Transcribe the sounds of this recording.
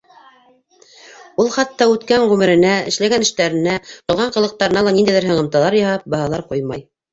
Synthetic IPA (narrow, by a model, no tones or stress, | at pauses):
ulˠχɑt̪ːɑʉt̪kæɴʁʉmɘ̆ɾɘ̆næɘ̰̆ʃlæɡænɘ̆ʃt̪æɾɘ̆næq̪ŏlˠʁɑɴqɤ̆lˠɤ̆q̚t̪ɑɾɤ̆nɑlˠɑnind̪æjðɘɾɦɤ̆ɴɤ̆mt̪ɑlˠɑɾjɑhɑp̚bɑɦɑlˠɑɾqujmɑj